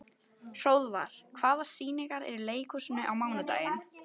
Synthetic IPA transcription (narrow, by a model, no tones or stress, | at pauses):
soːwðva̰ɾ̥kʰvaːðḁsiːniŋkaɾɛ̰ɾɪɾleːjkʰusʏnʏʔawmaːwnat̪a̰ːjɪn